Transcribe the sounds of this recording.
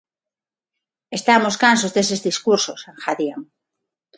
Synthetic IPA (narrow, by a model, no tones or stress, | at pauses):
est̪amo̞skansozðesezðiskuɾsosaŋxaðjam